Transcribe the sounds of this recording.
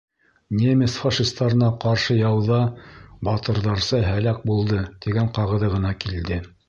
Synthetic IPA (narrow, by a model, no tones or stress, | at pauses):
nʲemʲesfɑʃist̪ɑɾɤ̆nɑqɑɾʃɤjɑwðɑbɑt̪ɤ̆ɾðɑɾsɤɦælæk̚bulˠd̪ɤt̪iɡæɴqɑʁɤ̆ðɤʁɤ̆nɑkild̪ɘ